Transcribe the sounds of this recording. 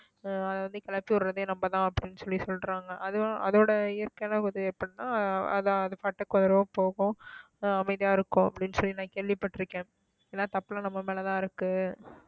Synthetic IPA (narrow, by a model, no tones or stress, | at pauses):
ɐðɐʋɐnd̪ɯkɐlɐpːiʊɾɾɐðeːnɐmbɐt̪ãːɐpːɐɽɪnːɯsɔɭːisɔlɾaːŋɡɐʔɐðɯʔɐ̰ðoːɽɐɪjɐɾkeːnɐkɐðɯɛpːɐɽit̪ãːɐ̰ðãɐðɯfaːʈːɐkːɐðɐɾɐʋõpoːɣʊ̃ | ɐmɐɪðɪjaːɪɾɯkːʊ̃ɐpːɐɽɪnːsɔlːinãːkeːɭʋɪpːɐʈːɪɾɯkːẽː | eːnːaːt̪ɐpːɪlɐnɐmːɐmeːlɐt̪ãːɪɾɯkːɯ